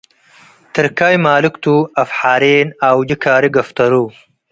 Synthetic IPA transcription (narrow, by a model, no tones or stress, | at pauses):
t̪ɨɾkaːjmaːlɪkt̪ʰuːɐfħaːɾeːnaːwd͡ʒikʰaːɾiɡɐft̪ɐɾu